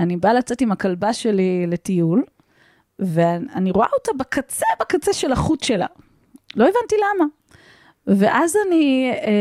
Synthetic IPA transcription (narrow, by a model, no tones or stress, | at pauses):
anibalat͡se̞timakalbaʃe̞lile̞tijul | veaniʁoa̰otabekat͡sebakat͡seʃe̞laχutʃe̞la̰ | lo̞evantilama | ve̞ʔazani